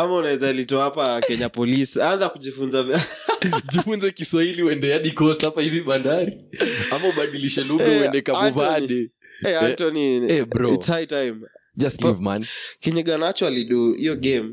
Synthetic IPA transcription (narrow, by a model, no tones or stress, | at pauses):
amaunaɛzalitɔahapakɛɲapɔlisiaanzakuʄifunzavaʄifunzɛkiswahiliuɛndɛaɗikɔsapahiviɓandaɾiamauɓaɗiliʃɛluɡaɛdɛkauvaɗɛ | ɛatɔniɛbɾɔitshajtajmd͡ʒastlivma̰nkɛɲɛɠanat͡ʃɔaliɗuijɔɡɛm